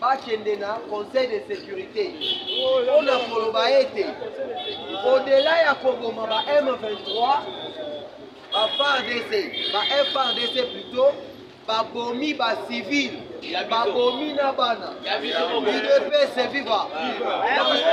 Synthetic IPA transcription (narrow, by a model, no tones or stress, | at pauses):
bakɛndenakɔ̃sɛjdesekyʁite | onakolobaete | odelajakobomabaʔɛmvɛ̃ntʁwa | bafaʁdesebaʔɛfaʁdeseplito | babomibasivilbabominabana | idepesɛviva | a